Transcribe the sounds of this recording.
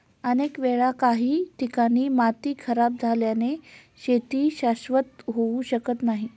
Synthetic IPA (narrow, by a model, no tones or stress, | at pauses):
ənekʋeɭakaɦiːt̪ikaɽ̃iːmat̪iːkʰəɾab̚d͡zʱaljane | ɕet̪iːɕaɕʋət̪ɦouɕəkət̪naɦi